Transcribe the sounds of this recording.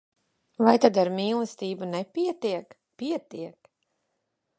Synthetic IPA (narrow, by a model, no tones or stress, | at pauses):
vajt̪ad̪aɾmiːlˠɨst̪iːbunɛpʲiɛt̪iɛk | piɛt̪iɛk